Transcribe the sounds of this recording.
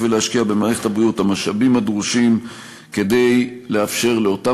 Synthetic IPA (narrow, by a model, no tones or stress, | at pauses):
velehaʃkiabemaːʁeχetabʁiuthamaʃabimad̪ʁuʃim | ke̞de̞jle̞afʃe̞ʁle̞o̞ta